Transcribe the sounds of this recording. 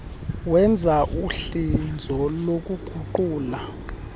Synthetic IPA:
wɛnd͡zʱaʔuɬind͡zʱɔlok̬ʼuɡ͡ǃ̥ʱuǃuːla

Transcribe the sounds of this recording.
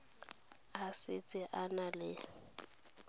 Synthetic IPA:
asɪt͡sʼɪʔanalɪ

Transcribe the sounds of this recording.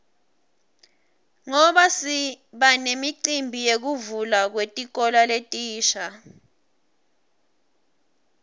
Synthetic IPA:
ŋɔɓasi | ɓanemiǃimbʱijek̬uvulak̬wetʼik̬ɔlaletʼiːʃa

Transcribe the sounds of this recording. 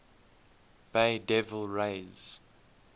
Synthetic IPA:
b̥eɪdɛvəlˠɹeɪz̥

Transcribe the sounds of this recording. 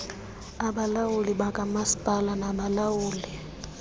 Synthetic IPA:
aɓalawuliɓakʼamasi̥pʼalanaɓalawuːli

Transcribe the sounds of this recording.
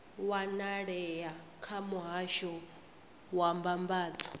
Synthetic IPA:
wanaɺɛja | kʰamuɦaʃɔ | wambambaːd͡zḁ

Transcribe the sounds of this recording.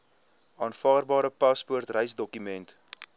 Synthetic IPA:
ɑːnfɑːrbɑːɾəpɑspuərtrəjsdɔkymɛnt

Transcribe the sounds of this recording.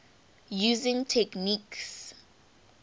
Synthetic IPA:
juːzɪ̃ŋtʰɛkniks

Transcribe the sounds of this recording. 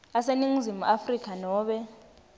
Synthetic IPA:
aseniŋ̩zimṵʔafrikʰanɔːɓɛ

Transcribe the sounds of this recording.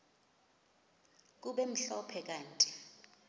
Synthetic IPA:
k̬uɓɛm̩ɬɔpʰɛk̬ʼaːntʼi

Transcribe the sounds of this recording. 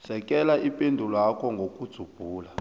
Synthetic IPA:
sɛk̬ʼɛlaʔipʼendʱulakʰɔŋɡʱokʼud̥z̥ʱub̥ʱuːla

